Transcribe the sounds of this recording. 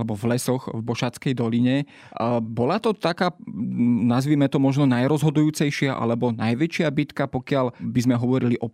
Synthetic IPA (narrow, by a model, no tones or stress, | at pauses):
lɛbɔvlɛsɔxvbɔʃat͡skɛjd̪ɔliɲɛ | bɔlat̪ɔt̪akaː | nazʋiːmɛt̪ɔmɔʒnɔnajɾɔzɦɔd̪ujuːt͡sɛjʃɪaʔa̰lɛbɔnajʋɛt͡ʃɪabit̪kapɔkɪalbizmɛɦɔʋɔɾiliʔɔ